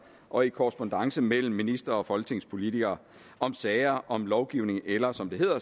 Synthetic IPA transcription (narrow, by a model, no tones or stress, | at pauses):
ʔɒ̽ikʰɒʁəsb̥ond̥ɑ̈ŋsəmel̰m̩ːinisd̥ʁɐɒ̽fɒ̽lɡ̥t͡sʰe̝ŋspʰo̝lit͡sʰiɡ̥ɐː | ʔɒ̽msɛːɪɐʔɒ̽mlɒʊɡ̥iʊ̰ne̝ŋelɐsɒ̽md̥e̝e̝ð̰ˠɐ